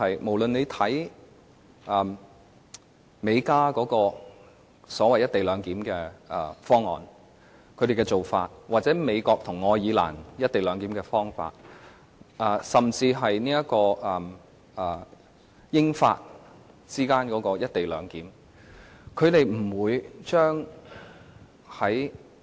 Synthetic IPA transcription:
hɐ˨jmo˨˩wlɵ˨ne˨˧jt̪ʰɐ˨˥j | ʔɐː˨˩ | me˨˧jkaː˥kɔː˨˥kɔː˧ | sɔː˨˥wɐ˨jɐ˥t̪̚e˨jlœː˨˧ŋkiː˨˥mkɛː˧ɛ˨˩fɔː˥ŋːɔ̰ː˨n | kʰɵ˨˧ɥɾe˨jkɛ˧t͡so˨wfa̰ː˧t̚waː˨˩t̚t͡sɛː˨˥me˨˧jkɔː˧k̚t̪ʰʊ˨˩ŋːɔː˧jiː˨˧˥la̰ː˨˩njɐ˥t̚t̪e˨jlœː˨˧ŋkiː˨˥mkɛː˧fɔː˥ŋfa̰ː˧t̚ | ʔɐ˨˧sɐ˨mt͡siː˧ɦɐ˨jniː˥jɐ˥tkɔː˧ʔɐ˨m | ɐː˨˩ | jɪ˥ŋfa̰ː˧t̚ | t͡siː˥kaː˥nkɔː˨˥kɔː˧jɐ˥t̚t̪e˨jlœː˨˧ŋkiː˨˥m | kʰɵ˨˧ɥt̪e˨jm̩˨˩wuː˨˧jt͡ʃœː˥ŋ | hɐ˨˥j

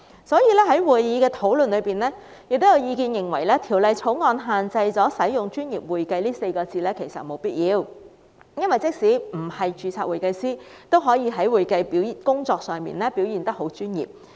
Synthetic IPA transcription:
sɔː˨˥jiː˨˧lɛː˥ɦɐ˨˥jwuː˨˩jjiː˨˧˥kɛː˧t̪ʰo˨˥wlɵ˨nlɵ˨˧piː˨˩nlɛː˥ | jɪ˨k̚t̪o˥jɐ˨˧wjiː˧kiː˧njɪ˨˩ŋwɐ˨˩jlɛː˥t̪ʰiː˨˩wlɐ˨˧jt͡sʰo˨˥wŋɔː˧nɦaː˨nt͡sɐ˧jt͡sɔː˨˥sɐ˨˥jʊ˨ŋt͡ʃyː˥njiː˨p̚wuː˨jkɐ˧jliː˥se˧jkɔː˧t͡siː˧lɛː˥kʰe˨˩jsɐ̰˨t̚mo˨˧wpiː˥t̚jiː˨˧w | jɐ˥nwɐ˨˩jt͡sɪ˥k̚siː˨˥m̩˨˩hɐ˨jt͡ʃyː˧t͡sʰaː˧t̚wuː˨˩jkɐ˧jsiː˥t̪o˥wɦɔː˨˥jiː˨˧ɦɐ˨˥jwuː˨jkɐ˧jpi˨˥wkʊ˥ŋt͡sɔː˧k̚sœː˨˩ŋmḭː˨˩nlɛː˥pi˨˥wjiː˨nt̪ɐ˥k̚ɦo˨˥wt͡ʃyː˥njḭː˨˩p̚

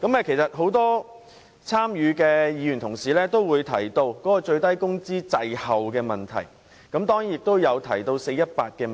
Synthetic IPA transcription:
kɐ˨˥mɛː˧kʰe˨˩jsɐ˨t̚ɦo˨˥wt̪ɔː˥ | t͡sʰaː˥mjyː˨˧kɛː˧jiː˨˧jy˨nt̪ʰʊ˨˩ŋsiː˨˩lɛː˥t̪o˥wwuː˨˧jt̪ʰɐ˨˩jt̪o˧wkɔː˨˥kɔː˧t͡ʃɵ˧ɥt̪ɐ˥jkʊ˥ŋt͡siː˥t͡sɐ˨jhɐ˨wkɛː˧mɐ˨nt̪ʰɐ̰˨˩j | kɐ˨˥mt̪ɔː˥ŋji˥njɪ˨k̚t̪o˥wjɐ˨˧wt̪ʰɐ˨˩jt̪o˧wse˧jɐ˥t̚paː˧t̚kɛː˧

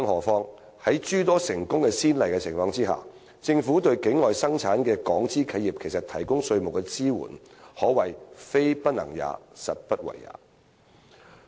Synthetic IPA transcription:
ɐ˥ŋhɔː˨˩fɔː˧˥ŋ | hɐ˨˥jt͡ʃyː˥t̪ɔː˥sɪ˨˩ŋkʊ˥ŋkɛː˧siː˥nlɐ˨jkɛ˧t͡sʰɪ˨˩ŋfɔː˧˥ŋt͡siː˥ha̰ː˨˩ | t͡sɪ˧ŋfuː˨˥t̪̬ɵ˧ɥkɪ˨˥ŋːɔː˨jsɐ˥ŋt͡sʰaː˨˥nkɛː˧kɔː˨˥ŋt͡siː˥kʰɐ˧jiː˨p̚kʰe˨˩jsɐ˨t̪ʰɐ˨˩jkʊ˥ŋsɵ˧ɥmʊ˨˩wkɛː˧t͡siː˥wṵː˨˩nhɔː˨˥wɐ˨˩jfe˥jpɐ˥t̚nɐ̰˨˩ŋja̰ː˨˧sɐ̰˨t̚pɐ˥t̚wɐ̰˨˩ja̰ː˨˥

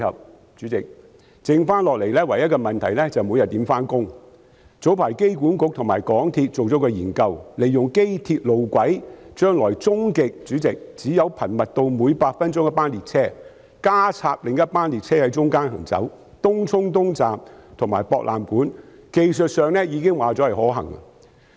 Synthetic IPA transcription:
ɐ˨p̚ | t͡ʃyː˨˥t͡sɪ˨k̚ | t͡sɪ˧ŋfaː˥nlɔː˨k̚le˨˩jlɛː˥wɐ˨˩jɐ˥kɔː˧mɐ˨˩nt̪ʰɐ˨˩jlɛː˥t͡sɐ˨wmu˨˧jɐ˨t̪̚ːiː˨˥mfaː˥nkʊ˥ŋ | t͡so˨˥wpʰaː˨˩jke˥jkuː˨˥nkʊ˨k̚t̪ʰʊ˨˩ŋmaː˨˩jkɔː˨˥ŋt̪ʰiː˧t̚t͡so˨wt͡sɔː˨˥kɔː˧jiː˨˩nkɐ˧wle˨˩jːʊ˨ŋke˥jt̪ʰi˧t̚lo˨wkʷwɐ˨˥jt͡ʃœː˥ŋlɔː˨˩jt͡sʊ˥ŋkɪ˨k̚t͡ʃyː˨˥t͡sɪ˨k̚t͡siː˨˥jɐ˨˧wpʰɐ˨˩nmɐ˨t̚t̪o˧wmuː˨˧jpaː˧t̚fɐ˥nt͡ʃʊ˥ŋjɐ˥paː˥nliː˨t̚t͡sʰɛː˥ | kaː˥t͡sʰaː˧p̚lɪ˨ŋjɐ˥t̚paː˥nliː˨˩t̚t͡sʰɛː˥hɐ˨˥jt͡ʃʊ˥ŋkaː˥nɦɐ̰˨˩ŋt͡sɐ̰˨˥w | t̪ʊ˥ŋt͡sʰʊ˥ŋt̪ʊ˥ŋt͡saː˨mt̪ʰʊ˨˩ŋmaː˨˩jpɔː˧k̚lʔa̰ː˨mkuː˨˥nke˧jsɵ˨t̚sœː˨ŋlɛː˥jiː˨˧kɪ˥ŋwaː˨˩t͡sɔː˨˥hɐ˨˩jhɔː˨˥ɦɐ̰˨˩ŋa̰˧

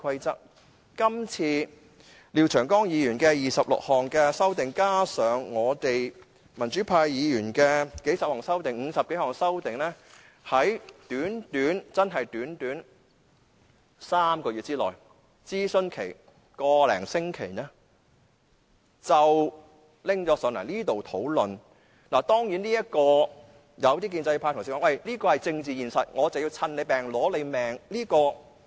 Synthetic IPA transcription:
kʰɐ˧jt͡sɐ˥k̚ | kɐ˥mt͡sʰiː˧ | liː˨wt͡ʃʰœː˨˩ŋkɔː˥ŋjiː˨˧jyː˨˩nkɛː˧jiː˨˩sɐ˨p̚lʊ̰˨k̚hɔː˨˩ŋkɛː˧sɐ˥wt̪ɪ˨ŋkaː˥sœː˨˧ŋːɔː˨˧t̪e˨j | mɐ˨˩nt͡ʃyː˨˥pʰaː˧jjiː˨˧jyː˨˩nkɛː˧ke˨˥jsɐ˨p̚hɔː˨˩ŋsɐ˥wt̪ɪ˨˩ŋŋ̩ː˨˧sɐ˨p̚ke˨˥hɔː˨˩ŋsɐ˥wt̪ɪ˨ŋnɛː˥ | hɐ˨˥jt̪yː˨˥nt̪yː˨˥nt͡sɐ˥nɦɐ˨jt̪yː˨˥nt̪yː˨˥n | saː˥mkɔː˧y˨t̚t͡siː˥lɔ̰ː˨˩j | t͡siː˥sɵ˥nkʰe˨˩j | kɔː˧lɛ̰ː˨˩ŋsɪ˥ŋkʰe˨˩jnɛː˥ | t͡sɐ˨w | lɪ˥ŋt͡sɔː˨˥sœː˨˧˩nlɐ̰˨˩liː˥t̪o˨wt̪ʰo˨˥wlɵ˨n | laː˨˩t̪ɔː˥ŋjiː˨˥nliː˥jɐ˥t̚kɔː˧ | jɐ˨˧wt̪iː˥k̬iː˧nt͡sɐ˧jpʰaː˧t̪ʰsi˨˩kːɔː˨˥wɐ˥˨jliː˥kɔː˧hɐ˨jt͡sɪ˧ŋt͡siː˨jiː˨˩nsɐ˨t̚ŋɔː˨˧t͡sɐ˨wji˧wt͡sʰɐ˧nle˨˧jpɛː˨˩ŋlɔː˨˥le˨˧jmɛː˨˩ŋliː˥kɔː˧

